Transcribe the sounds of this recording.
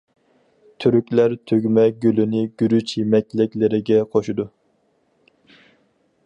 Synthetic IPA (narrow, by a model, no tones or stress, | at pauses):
t̪ʰyɾykʲlæɾt̪ʰøɡʲmɛɡʲølynɪɡ̥ʲyɾyt͡ʃjemɛk̚ʲlɪkʲlɪɾɪɡʲɛqʰoʃud̪u